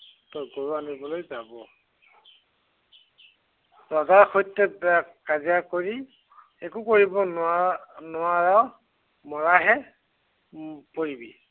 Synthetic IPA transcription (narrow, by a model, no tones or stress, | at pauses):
tɔɡoɹuanibɔlojzabɔ | ɔzaɹxojtːɛbɛakkaziakoɹi | ekukoɹibɔnanʊaɹaw | mɔɹaɦɛ | poɹibi